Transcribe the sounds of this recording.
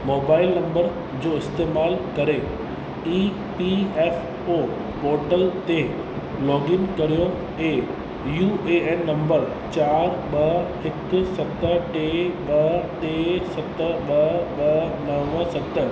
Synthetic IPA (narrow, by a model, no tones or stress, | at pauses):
moːbaːɪlnɐ̃mbəɾ | d͡ʑoːɪst̪eːmaːlkɐɾe | iː | piɛːf | oː | poːɾʈəlt̪e | lɔːɡɪnkɐɾijo | eː | juːʔeɛːnːɐ̃mbəɾ | t͡ɕaːɾɓɐhɪksɐt̪əʈeːɓɐʈeːsɐt̪əɓɐɓɐnɐʋəsɐt̪ə